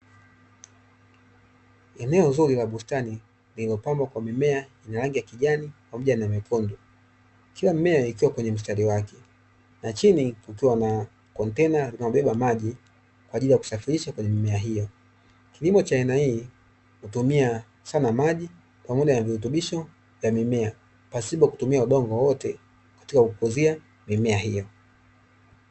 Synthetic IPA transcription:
ɛnɛɔzuɾilaɓustani | lililɔpambwakwamimɛainaɾaŋɡijakiʄanikwamuʄanamɛkɔndɔ | kilamimɛaikiwakwɛɲɛm̩s̬taɾiwakɛ̥ | nat͡ʃinikukiwana | kɔntɛnalinaɔɓɛɓamaʄi | kwaːʄilijaku̥safiɾiʃakwɛɲɛmimɛaɦijɔ | kilimɔt͡ʃaainahiː | hutumia | sanamaʄi | pamɔʄanavihut̬uɓiʃɔ | vjamimɛa | pasiɓɔku̥tumiauɗɔŋɡɔwɔtɛ | kḁtikakukuzia | mimɛaɦijɔ

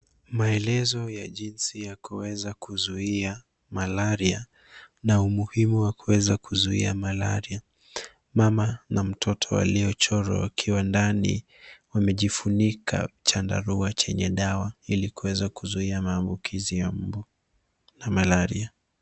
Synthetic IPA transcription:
maɛlɛzɔjaʄinsijakuwɛzakuzuia | malaɾia | naumuhimuwakuwɛzakuzuḭamalaɾia | mamanam̩tʰɔtʰɔwa̰liɔt͡ʃɔɾɔ̰wa̰kʰiwandanḭ | wamɛʄifunikʰa̰t͡ʃanda̰ɾuat͡ʃɛɲɛɗawailikuwɛzakuzuiamaːmbukʰizijam̩bu | namalaɾḭa

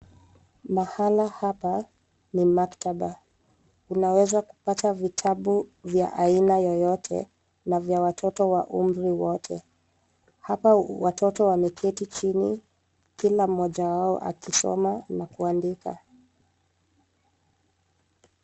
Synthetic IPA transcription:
mahalahapa | nimaktaɓa | unawɛzaku̥patavitʰaɓuvjaʔainajɔjɔtʰɛ̰ | navjawatʰɔtɔwa̰ʔum̩ɾiwɔtʰɛ̰ | hapawatʰɔtɔwamɛkʰɛtit͡ʃini | kilam̩ːɔʄawaɔʔa̰kisɔ̰manakuandika̰

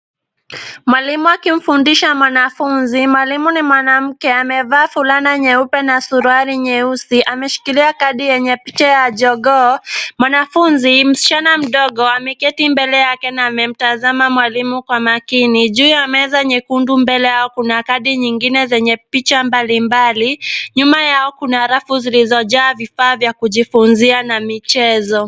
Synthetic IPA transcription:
mwalimuakim̩fundiʃamwanafunzimwalimunimwanam̩kɛamɛvaːfulanaɲɛupɛnasuɾuaɾiɲɛusiʔamɛʃi̥kiliakaɗijɛɲɛpit͡ʃajaʄɔɠɔmwanafunzim̩si̥t͡ʃanam̩ɗɔɠɔamɛkɛtimbɛlɛjakɛnaːmɛm̩tazamamwalimukwamakiniʄuiamɛɛzaɲɛkundumbɛlɛjaɔkunakaɗiɲiŋɡinɛzɛɲɛpit͡ʃambalimbaliɲumajaɔkunaɾafuzilizɔʄaːvifaːvjakuʄifunzianamit͡ʃɛzɔ

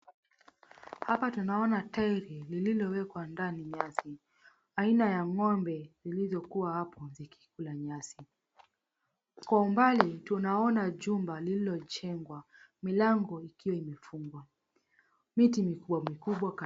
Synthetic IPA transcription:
hapatunaɔnataiɾilililɔwɛkwandaniɲasi | ainajaŋɔmbɛzilizjɔkuwahapɔziki̥kulaɲasi | kwaumbalɛtunaɔnaʄumbalililɔt͡ʃɛŋɡwa | milaŋɡɔikiwaimɛfuŋɡwa | mitimikuɓwamikuɓwak

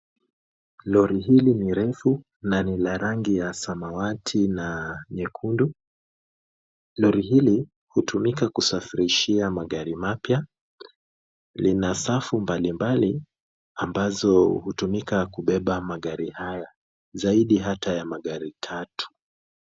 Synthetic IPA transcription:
lɔɾiɦiliniɾɛfu | nanilaɾaŋɡijasamawatʰinaɲɛkʰundu | lɔɾiɦili | hutʰumikakusafiɾiʃiamaɠaɾimapja | linasafumbalimbali | ambazɔhutumikakuɓɛɓamaɠaɾihaja | zaiɗiɦatajamaɠaɾitʰatʰu̥

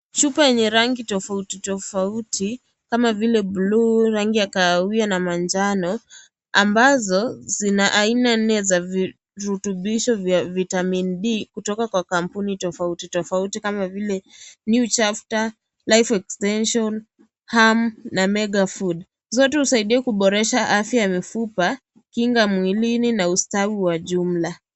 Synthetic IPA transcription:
ʃupajɛɲɛɾaŋɡitɔfautitɔfautʰi | kamavilɛbluɾaŋɡijakaːwianamand͡ʒanɔ | ambazɔzinaʔainan̩ɛzavi | ɾutuɓiʃɔvjavitaminɗikutɔkakwakampunitɔfautitɔfautikamavilɛnjut͡ʃafta | lajfɛkstɛnʃɔn | hamnamɛɡafud | zɔtɛhusaiɗiɛkuɓɔɾɛʃaʔafjajmifupa | kiŋɡamwilininaustawiwaʄum̩la

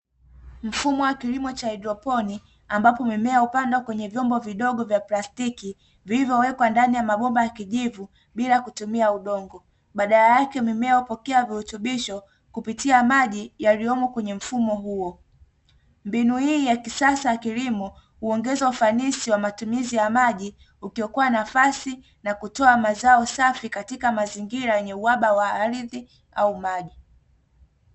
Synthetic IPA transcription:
m̩fumɔwakilimɔt͡ʃaɛdɾɔpɔni | ambapɔmimɛaupandwakwɛɲɛvjɔmbɔviɗɔɠɔvjaplastiki | vilivjɔwɛkwandanijamaɓɔmbajakiʄivu | ɓilakutumiauɗɔŋɡɔ | ɓaɗalajakɛmimɛaupɔkɛavihutuɓiʃɔ | kupitiamaʄijaliɔmɔkwɛɲɛm̩fumɔɦuɔ | mbinuhiːjakisasajakilimɔ | huɔŋɡɛzaufanisiwamatumizijamaʄi | ukijɔkuwanafasi | nakutɔamazaɔsafikatikamaziŋɡiɾajɛɲɛuwaɓawaːɾiði | aumaʄi

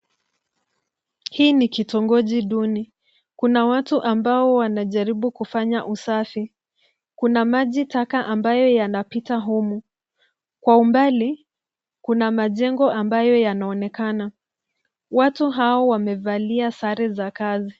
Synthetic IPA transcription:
hiːnikitɔŋɡɔʄiɗuni | kunawatuʔambaɔwanaʄaɾiɓukufaɲaʔusafi | kunamaʄitakaʔambajɔjanapitaɦumu | kwaumbali | kunamaʄɛŋɡɔambajɔjanaɔnɛkana | watuɦaɔwamɛvaliasaɾɛzakazi

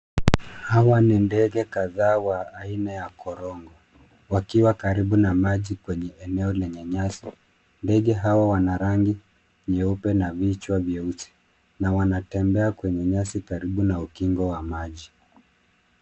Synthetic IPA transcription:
hawanindɛɡɛkaðaːwaːinajakɔɾɔŋɡɔ | wakiwakaɾiɓunamaʄikwɛɲɛɛnɛɔlɛɲɛɲasi | ndɛɠɛɦawawanaɾaŋɡi | ɲɛupɛnavit͡ʃwavjɛusi̥ | nawanatɛmbɛakwɛɲɛɲasikaɾiɓunaukiŋɡɔwamaʄi

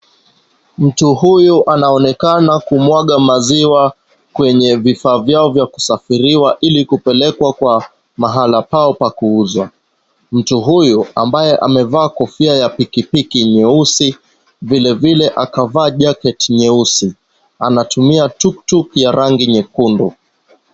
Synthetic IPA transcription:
m̩tuhujuʔanaɔnɛkanakumwaɠamaziwa | kwɛɲɛvifaːvjaɔvjaku̥safiɾiwaʔilikupɛlɛkwakwa | maɦalapaɔpakuuzwa | m̩tuɦujuambajɛʔa̰mɛvaːkɔfiajapikipikiɲɛusi | vilɛvilɛʔakavaːʄakɛtɲɛusi | anatumiatuktukjaɾʔaŋɡiɲɛkundṵ

